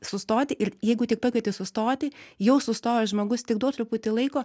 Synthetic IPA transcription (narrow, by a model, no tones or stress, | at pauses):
sʊst̪oːt̪ʲɪʔɪɾjɛɪɡʊt̪ʲɪk̚pɐːkʲiːt̪ʲɪsʊst̪oːt̪ʲɪjɛʊsʊst̪oːjoːʒmoːɡʊst̪ʲɪkd̪oːt̪ɾʊput̪ʲɪlˠɐɪkoː